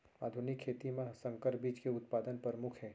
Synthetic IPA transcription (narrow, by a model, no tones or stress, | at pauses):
aːd̪ʱʊnɪkʰːeːt̪imẽsə̃ŋkəɾbiːt͡ʃkeʊt̪̚paːd̪ənpəɾmʊkʰɦɛː